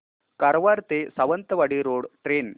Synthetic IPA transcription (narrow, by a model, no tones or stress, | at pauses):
kaɾʋaɾt̪esɐʋənt̪ɐʋaɽiɾoːɽʈɾen